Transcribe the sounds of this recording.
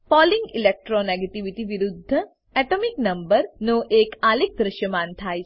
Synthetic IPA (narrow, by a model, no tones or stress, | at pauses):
fɔːlɪ̃ŋɡɪleːk̚ʈɾoneːɡeʈiʋiʈiʋɪɾʊd̪ʱːə | ɛʈomɪknɐ̃mbəɾnoːʔeːkaːlɪk̚d̪ɾɪʃjəmãːnt̪ʰaː